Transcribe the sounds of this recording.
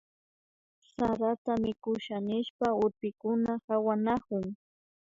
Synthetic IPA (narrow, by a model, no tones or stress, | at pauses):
saɾat̪amɪkʊʃanɪʃpaʊɾpɪkʊnahawanakʊŋ